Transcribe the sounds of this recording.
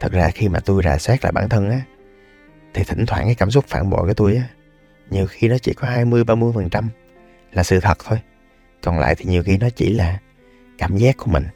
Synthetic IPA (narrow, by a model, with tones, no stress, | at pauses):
t̪ʰɨ˨˩k̚zaː˧xi˧maː˨˩t̪u˧jzaː˨˩swɛ˦˥k̚la̰ː˧˨˩ɓaː˧˩nt̪ʰə˧nʔaː˨˦ | t̪ʰi˨t̪ʰï˧˩ŋ̟t̪ʰwaː˧˩nkaː˨˦jkaː˧˩ms̬ʊ˦˥k͡p̚faː˧˩nɓo̰˧˨kaː˨˩˦t̪u˧jʔaː˨˦ | ɲi˨˩əwxi˧nɔ˨˦t͡ɕḭ˧˩kɔ˨˦haː˧jmɨ˧əjɓaː˧mɨ˧əjfə˨˩nt͡ɕa˧m | laː˨˩sɨ̰˧˨t̪ʰə˨˩t̚t̪ʰo˧j | kɔ˨˩nla̰ː˧˨t̪ʰi˨˩ɲi˨˩əwxi˧nɔ˨˦t͡ɕḭ˧˩laː˨˩ | kaː˧˩mzaː˦˥k̚ku˧˩əmï˨˩ŋ̟